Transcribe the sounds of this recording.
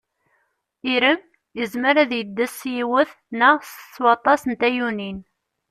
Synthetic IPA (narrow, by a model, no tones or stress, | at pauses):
iɾəm | jəzməɾæðjəd̪ːæsjiwəθ | nəsə̥sːwɑt̪ˤːɑsnt̪æjunin